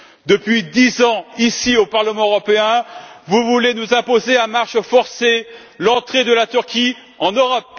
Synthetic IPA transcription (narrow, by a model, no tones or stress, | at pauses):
d̪əpɥid̪izɑ̃isiopaʁləmɑ̃øʁɔpeɛ̃vuvulenuzɛ̃pozeɛ̃maʁʃfɔʁse | lɑ̃t̪χed̪əlat̪yʁkʲi | ɑ̃nøʁɔp̚